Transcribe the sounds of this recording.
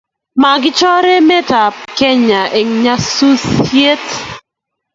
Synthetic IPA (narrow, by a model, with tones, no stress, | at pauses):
ma˨ɡɪ˦t͡ʃɔ˦ɾɛ˦mɛ˦ta˨p̚kɛ˦ɲa˨ʔe˨ŋɲa˦su˦sje˦t